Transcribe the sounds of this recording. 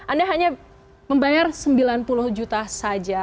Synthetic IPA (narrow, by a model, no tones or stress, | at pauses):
ʔandaɦaɲa | məmbajarsəmbilanpulʊhd͡ʒut̪asad͡ʒa